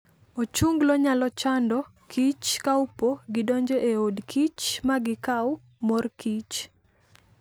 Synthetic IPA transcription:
ot͡ʃuŋɡloɲalɔt͡ʃandɔ | kʰit͡ʃkaupoɡɪdoɲd͡ʒoʔeodkit͡ʃmaɡɪkaw | morkit͡ʃ

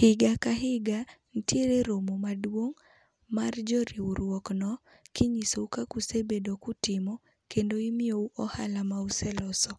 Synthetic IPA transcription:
hɪɡakaɦɪɡan̩tjeɾeɾomomadwoŋ | mard͡ʒɔɾiuɾwɔknɔ | kiɲisoukakusebedokʊtɪmɔ | kendoimɪouʔɔha̰lamausɛlɔsɔ

